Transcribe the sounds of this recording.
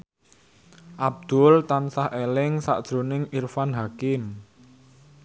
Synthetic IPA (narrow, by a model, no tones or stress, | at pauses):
ʔab̚d̪̥ʊlt̪ansahʔelɪŋsa̰ʔd̥ʒ̥ɾo̤nɪŋirfanɦakɪm